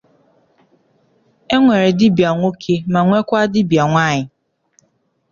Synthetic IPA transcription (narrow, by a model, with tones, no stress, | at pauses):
e˦ŋʷe˨ɾe˨dɪ˦bja˨ŋʷo˦kʰe˦ma˨ŋʷe˦kʷa˦dɪ˦bja˨ŋʷa˦˨ɲɪ˨